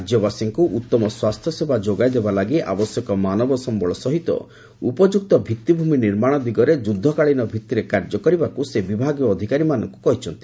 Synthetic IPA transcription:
d͡ʒjɔbasiŋkuʔut̪ːɔmɔswast̪ʰjɔsebʱad͡ʒoɡajd̪ebalaɡiʔa̰bɔsjɔkɔmanɔbɔsɔmbɔɭɔsɔɦit̪ɔ̰ | upɔd͡ʒuk̚t̪ɔbʱit̪ːibʱuminiɾmaɽ̃ɔd̪iɡɔɾed͡ʒud̪ʱːɔkaɭinɔbʱit̪ːiɾekaɾd͡ʒɔkɔɾibakusebibʱaɡjɔːd̪ʱikaɾimanɔŋku̥kɔɦit͡ʃʰɔnt̪i̥

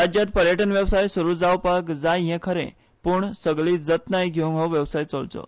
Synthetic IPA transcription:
ad͡ʑjat̪̚pəɾjəʈənʋjəwsajsuɾud͡zawpakd͡zajjɛ̃kʰəɾḛ̃ | puɳsəɡɭiːd͡zət̪najɡʱeũŋɦəʋjəʋsajt͡sə̰ɭt͡sə̰

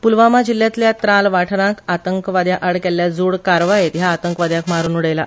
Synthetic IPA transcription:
pulʋamad͡ʑiljat̪ljat̪ɾalʋaʈʰnakat̪əŋkʋad̪jaʔəɽkɛlːjad͡zuɽkaɾʋajet̪ɦjaːt̪əŋkʋad̪jãkmaɾuːnuɽəjla

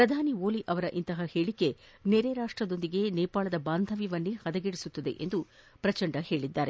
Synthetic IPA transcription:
pɾɐd̪ʱaːnioːliʔɐʋɐɾɐʔint̪ɐɦɐhe̞ːɭikːe̞ | neɾeɾaːʂʈɾɐd̪o̞nd̪iɡe̞neːpaːɭɐd̪ɐbaːnd̪ʱɐʋiʋɐnːihɐd̪ɐɡeɽisut̪ːɐd̪e̞̰ʔḛnd̪upɾɐt͡ʃɐɳɖɐhe̞ːɭid̪ːaːɾe

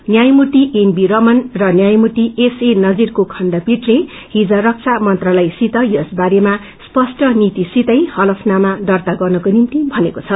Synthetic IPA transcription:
njajmuʈ̪iʔenbiɾʌmʌnrʌnjajmuʈ̪iesenʌd͡zirkokʰʌnɖʌpiʈle | ɦid͡zʌɾʌk̚t͡sʰamʌnt̪ralajsit̪ʌjʌsbaɾema | spʌsʈʌnit̪isit̪ʌjhʌlʌpʰnamaɖʌrt̪aɡʌrnʌkonint̪ibʱʌnekot͡sʰʌ

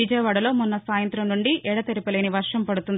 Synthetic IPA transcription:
id͡ʒɐːʋɐɽɐlo̞ːmunːɐsaːjɐnt̪ɾɐmnuɳɖiʔɛɽɐt̪eɾipɐleːniʋɐɾʂɐmpɐɽut̪und̪

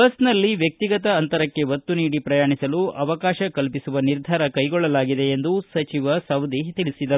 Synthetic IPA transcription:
bɐsnɐlːiʋjɐk̚t̪iɡɐt̪ɐːnt̪ɐɾɐkːe̞ʋɐt̪ːuniːɽipɾɐjaːɳisɐluɐʋɐkaːʃɐkɐlpisuʋɐniɾd̪ʱaːɾɐkɐjɡɔɭːɐlaːɡid̪e̞ːnd̪usɐt͡ʃiʋɐsɐwd̪ʱiɦt̪iɭisid̪ɐɾu

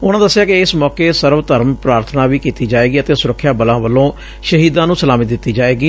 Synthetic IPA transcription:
ʊnãːd̪əsːɪjaːkɪɪsmɔːkeːsəɾʋt̪əɾəmpɾaːɾt̪ʰənãːʋiːkiːt̪iːd͡ʒaːeːɡiːət̪eːsʊɾəkʰːjaːbəlãːʋəlːõː | ʃəɦiːd̪ãːnũːsəlaːmɪt̪d̪ɪt̪ːiːd͡ʒaːeːɡiː

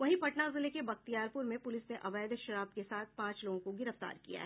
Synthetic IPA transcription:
ʋɐɦĩpɐʈnazɪlekebɐxt̪ijaːɾpʊɾmẽpʊlɪsneʔɐʋaːd̪ʃɐɾaːb̚kesaːt̪̚ʰpãːt͡ʃloːɡõkoɡɪɾəft̪a̰ːɾkḭja̰ɦɛ

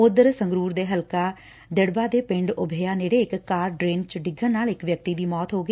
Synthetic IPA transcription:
ʊd̪əɾsə̃ŋɡɾuːɾd̪eːɦəlkaː | d̪ɪɽbaːd̪eːpɪ̃ɳɖʊbʱeːaːneːɽeːɪkːaːɾɖɾeːnt͡ʃɖɪɡʱənnaːlɪkʋjək̚t̪iːd̪iːmɔːt̪ɦoːɡiː

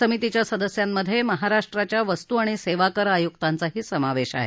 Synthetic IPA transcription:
səmit̪it͡ɕjasəd̪əsjamːəd̪ʱjeməɦaɾaʂʈɾat͡ɕjaʋəst̪uaɽ̃iseʋakəɾajukt̪ant͡saɦiːsəmaʋeɕa̰ɦe

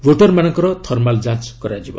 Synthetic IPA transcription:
boʈʌrmanʌŋkʌɾʌt̪ʰʌrmald͡zãt͡skʌɾad͡ʒibʌ̰

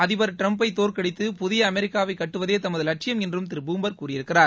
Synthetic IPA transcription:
ɐðɪʋɐɾʈɾɐmpɐɪt̪ːoːɾkɐɽɪt̪ːɯpʊðɪjɐːmɛɾɪkːaːʋɐɪkːɐʈːɯʋɐðeːt̪ɐmɐðɯlɐʈ̚t͡ʃɪjɐmɛndrɯmt̪ɪɾɯbuːmbɐɾkuːrɪjɪɾɯkːɪraːɾ

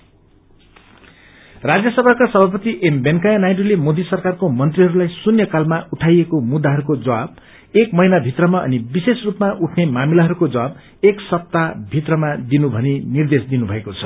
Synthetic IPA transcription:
rad͡zjʌsʌbʱakasʌbʱapʌt̪iʔembenkajanajɖulemod̪isʌrkarkomʌnt̪riɦʌɾulajsunjʌkalmaʔuʈʰajekomud̪ːaɦʌɾukod͡zʌwab̚ | ekmʌjnabʱit̪rʌmaʌ̰nibisesrupmaʔuʈʰnemamilaɦʌɾukod͡zʌwab | eksʌp̚t̪abʱit̪rʌmad̪inubʱʌninird̪esd̪inubʱʌekot͡sʰʌ̥

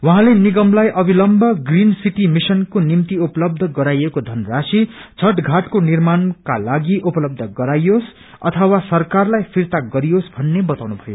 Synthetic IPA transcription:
wʌɦãleniɡʌmlajʔʌbʱilʌmbʱʌɡrinsiʈimisʌnkonimt̪iuplʌb̚d̪ʱʌɡʌɾajekod̪ʱʌnrasit͡sʰʌʈɡʱaʈkonirmanka̰laɡiʔupʌlʌb̚d̪ʱʌɡʌɾajos | ʌ̰t̪ʰʌwasʌrkarlajpʰirt̪aɡʌɾijosbʱʌnːebʌt̪aw̃nubʱʌjo

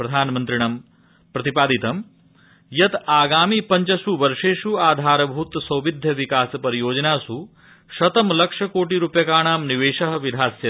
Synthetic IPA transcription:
pɾɐd̪ʱaːnmɐnt̪ɾiɳɐm | pɾɐt̪ipaːd̪it̪ɐm | jɐt̪aːɡaːmiːpɐɲt͡ʃɐsuʋɐɾʂeːʃuaːd̪ʱaːɾɐbʱut̪sɐwʋid̪ʱjɐʋikaːsɐpɐɾijoːd͡ʒɐnaːsu | ʃɐt̪ɐmlɐkʂɐkoːʈiɾupjɐkaːɳ̃aːmniʋeːʃɐɦɐʋid̪ʱaːsjɐ

